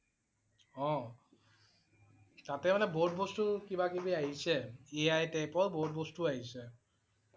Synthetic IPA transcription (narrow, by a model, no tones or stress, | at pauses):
ɔ̃ | t̪at̪emaneboʈbosʈukibakibiajt͡ɕʰeeajʈepɔɾboʈ̚bosʈuajt͡ɕʰe